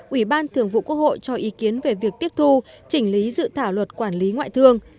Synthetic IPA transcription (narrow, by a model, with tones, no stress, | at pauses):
ʔwi˧˩ɓaː˧nt̪ʰɨ˨˩əŋvṵ˧˨kwək̚ho̰˧˨jt͡ɕɔ˧ʔi˨˦ki˨˦ənve˨˩vi˨˩ək̚t̪i˦˥əp̚t̪ʰu˧ | t͡ɕï˧˩ŋ̟li˨˦zɨ̰˧˨t̪ʰaː˧˩wlwə˨˩t̚kwaː˧˩nli˨˦ŋwa̰ː˧˨jt̪ʰɨ˧əŋ